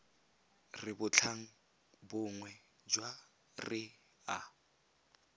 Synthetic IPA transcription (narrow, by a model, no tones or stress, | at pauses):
rɪbʊt͡ɬʰaŋ̩ | bʊŋwɛ | d͡ʒwa | rɪ | a